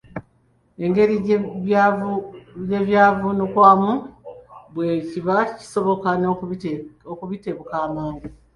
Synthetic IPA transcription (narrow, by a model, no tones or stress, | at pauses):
e̞ŋɡe̞ɾi | jeβjaːvunokwaːmu | bwe̞ciβaci̥so̞βo̞kano | okuβite̞βukaːmaːŋɡu